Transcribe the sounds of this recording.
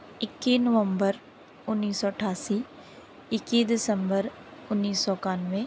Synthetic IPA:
ɪkːinəʋə̃mbəɾ | ʊnːiːsːɔəʈʰaːsi | ɪkːid̪ɪsə̃mbəɾ | ʊnːiːsːɔkaːnʋẽ

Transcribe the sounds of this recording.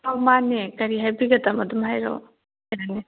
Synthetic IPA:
ɐwmaːnekɐɾiɦɐbiɡɐt̪amɐd̪umɦajɾo̰ː | jaːni

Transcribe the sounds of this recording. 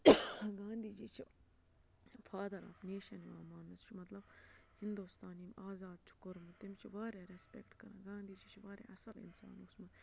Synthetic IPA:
ɡãːnd̪ʱiːd͡ʒiːt͡ʃʰi | fʰaːd̪ɐɾɐ̰ːfneːʃɐniaːmaːnːɐst͡ʃʰumɐt̪lɐbhɪnd̪ust̪aːniːmaːzaːd̪̚t͡ʃʰu̥kʊɾmɨt̪imt͡ʃʰiʋaːɾeːɾespekʈkɐɾãɡãːnd̪ʱiːd͡ʒit͡ʃʰiʋaːɾḛʔɐsɐlɪ̰nsa̰ːnʊsmɨ

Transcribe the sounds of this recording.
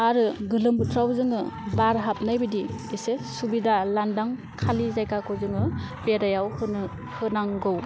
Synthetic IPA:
aɾɯɡɯlɯmbutʰɾawzɯŋɯbaɾɦap̚najbɯdiesesubidalandaŋ | kʰalizajkakʰowzɯŋɯbeɾajawhɯn | hɯnaŋɡɯw

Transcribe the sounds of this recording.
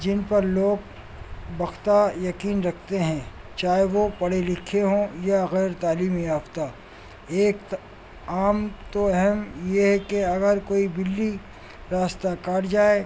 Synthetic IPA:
d͡ʒɪnpɐɾloːɡ | bɐxt̪ajɐkiːnɾɐk̚ʰt̪eɦɛ̃ | t͡ʃaːɦeʋopɐɽelɪkʰeɦõjaɣɛːɾt̪aːliːmiaːft̪a | eːk | aːmt̪oɛɦɛmjeɦɛkeɐɡəɾkoːibɪlːi | ɾaːst̪akaːʈd͡ʒaːe

